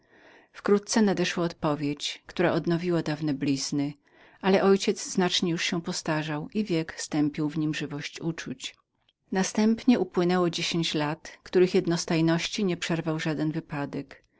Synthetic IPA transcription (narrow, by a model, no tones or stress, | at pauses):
fkɾut̪̚t̪sɛnad̪ɛʂwɔɔt̪pɔvʲjet͡ɕkt̪uɾaʔɔd̪nɔvʲiwad̪avnɛblʲiz̥nɘ | ʔalɛʔɔjt͡ɕɛd̪zzːnat͡ʂɲɛjuʂɕɛpɔst̪aʐawivʲjɛkst̪ɛmpʲiwvɲimʐɘvɔɕt͡ɕut͡ʂut͡ɕ | nast̪ɛmpɲɛʔupwɘnɛwɔd͡ʑeɕeɲt͡ɕlat̪kt̪uɾɘxjɛd̪nɔst̪ajnɔɕt͡ɕiɲɛpʂɛɾvawʐad̪ɛnvɘpad̪ɛk